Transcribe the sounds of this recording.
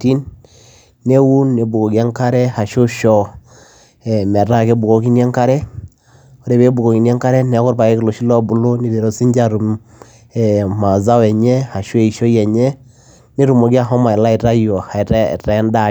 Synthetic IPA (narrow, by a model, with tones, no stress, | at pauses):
ti˦nː | e˦wu˦nːe˨bu˨ko˨ki˨a˦ŋka˦ɾɛ˦ha˨ʃo˦ʃɔ˦ | ɛ˨mɛ˨ɾa˦˨ke˦bu˨ko˨ki˦njɛ˦ŋka˦ɾɛ˦ | o˨ɾe˨be˦bu˨ko˨ki˨nɛ˦ŋka˦ɾɛ˦nɛ˨˦kɔ˦ɾpa˨e˦ki˨lo˨ʃi˦lɔ˦bu˨˦lo˦ni˨de˨ɾo˨si˦ɲd͡ʒa˦ɾu˨m | ɛ˨ma˨za˦wɛ˨ɲɛ˦ha˨ʃo˦e˨i˨ʃo˦jɛ˨ɲɛ˦ | ne˦ɾu˨mo˨ɡi˦a˦˨ɦɔ˦ma˨ɛ˨la˦i˨ɾa˦jɔ˨ha˨ɾɛ˦˨ɾɛ˨˦nda˦